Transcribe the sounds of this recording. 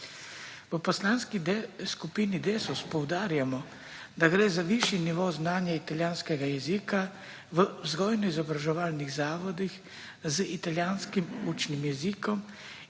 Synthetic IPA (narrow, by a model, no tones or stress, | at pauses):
ʋəpɔslaːnskiskupiːnid̪eːsuspɔwd̪aːɾjamɔ | d̪aɡɾɛːzaʋiʃiniʋɔwznaːnjait̪aljaːnskɛɡajɛziːka | ʋəwzɡɔːjnɔizɔbɾaʒɛʋaːlniɣzaːʋɔd̪ix | zəit̪aljaːnskimut͡ʃnimjɛziːkɔm